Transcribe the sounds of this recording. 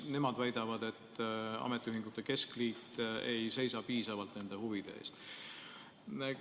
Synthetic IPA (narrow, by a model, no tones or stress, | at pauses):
ne̞mɑd̪væjd̪̥ɑvɑd̪e̞t̪ːɑ̰met̪ːˑiyɦiŋɡ̥ut̪ːˑe̞ke̞skliːt̪ejse̞jsɑpiːsɑvɑlt̪ne̞nd̪̥e̞huvid̪̥e̞̰ḛːst̪